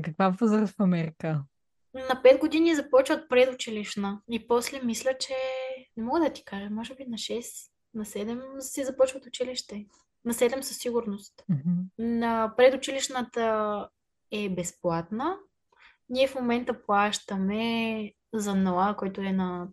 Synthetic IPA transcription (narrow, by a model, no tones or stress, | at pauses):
kɐkvapəzaɾəfɐmɛɾikə | nɐpɛd̪ɡod̪inizɐpɔt͡ʃvət̪̚pɾɛd̪ʊt͡ʃiliʃnəipɔslɛmislʲət͡ʃɛnɛmɔɡəd̪ɐt̪i̥kaʒɛmɔʒɛbinɐʃɛs | nɐsɛd̪ɛmsɛzɐpɔt͡ʃvət̪ʊt͡ʃiliʃt̪ɛ | nɐsɛd̪ɛmsɐsːiɡʊɾnost̪̩ | nɐpɾɛd̪ʊt͡ʃiliʃnət̪ə | ɛbɛsplˠat̪nə | niɛfmomɛnt̪əplˠaʃt̪əmɛ | zɐnɐlˠakɔjt̪ʊɛnɐ